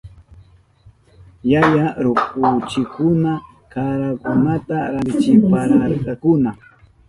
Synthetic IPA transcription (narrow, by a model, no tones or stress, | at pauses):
jajaɾʊkʊt͡ʃɪkʊna | kaɾakʊnat̪aɾat͡ʃɪpaɾaɾkɑkʊna